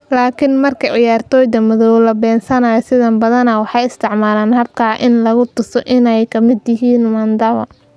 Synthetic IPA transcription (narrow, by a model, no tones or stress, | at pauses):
laːkʰɪnmɐrkʰɐʕɪjaːrt̪ʰɔːjd̪ɐmɐðɔwlɐbɛːnsɐnaːjɔsɪðɐmbɐðɐnɐwɑħɑjɪst̪ʰɪʕmaːlaːnhɐb̚kʰaːʔɪnlɐɣʊt̪ʊsɔʔɪnɛjkʰɐmɪd̪jɪɦiːnmɐnd̪ɐβɐ̰